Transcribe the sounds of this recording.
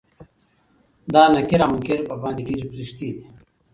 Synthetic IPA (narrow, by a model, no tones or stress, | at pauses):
d̪aːnɐkeɾɐmkeɾpɐbaːnd̪iɖiːɾpɾiɕt̪iː